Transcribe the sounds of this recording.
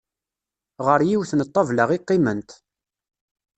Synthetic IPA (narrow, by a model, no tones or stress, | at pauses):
ʁəɾjiwθnət̪ˤːɑvləʁiqːimənt̪